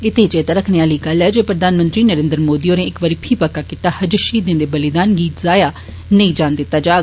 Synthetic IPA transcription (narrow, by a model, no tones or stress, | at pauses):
ɪt̪ʰet͡ʃeːt̪aːɾəkʰneːaːliːɡəlɛːd͡ʒoːpɾəd̪aːnmə̃nt̪ɾiːnəɾẽːnd̪ɾəmoːd̪iːõːneːɪkʋəɾiːpʰiːpəkːaːkiːt̪aːhəd͡ʒəʃiːd̪ɪ̃nd̪eːbəlɪd̪aːnɡiːt̪zaːjaː | nəĩːd͡ʒaːnd̪ɪt̪ːaːd͡ʒaːɡ